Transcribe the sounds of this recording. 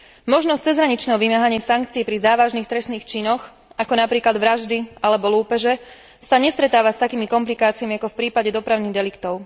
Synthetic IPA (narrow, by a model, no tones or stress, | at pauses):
mɔʒnɔst͡sɛzɦɾaɲit͡ʃnɛɦɔʋimaɦaɲɪasaŋkt͡siːpɾizaːʋaʒniːxt̪ɾɛsniːxt͡ʃinɔx | akɔnapɾiːklad̪ʋɾaʒd̪ialɛbɔluːpɛʒɛ | saɲɛst̪ɾɛt̪aːʋast̪akiːmikɔmplikaːt͡siamiakɔfpɾiːpaɟɛd̪ɔpɾaʊniːɣd̪ɛlikt̪ɔʊ